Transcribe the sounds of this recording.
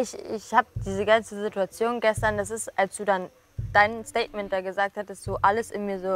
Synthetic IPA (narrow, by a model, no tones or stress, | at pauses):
ɪçɪçhaːbəd̥iːzəɡant͡səzituat͡sjoːnɡɛstɐndas̬ɪstalsd̥uːdan | d̥aɪnsteɪtmɛ̃nt̚d̥aɡəzaːk̚thatəstd̥uːʔaləsɪnmiːɐzoː